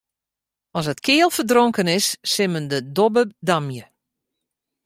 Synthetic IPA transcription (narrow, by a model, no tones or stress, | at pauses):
ɔsətkʰɪəlˠfərdroŋkənɪsːɪməndədobədamjə